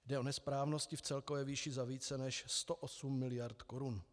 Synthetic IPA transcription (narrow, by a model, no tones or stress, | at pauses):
dɛʔo̞nɛspɾaːvno̞scɪft͡sɛlkovɛːviːʃɪzaviːt͡sɛnɛʃst̪oʔosumːɪlɪjaɾt̪ko̞ɾun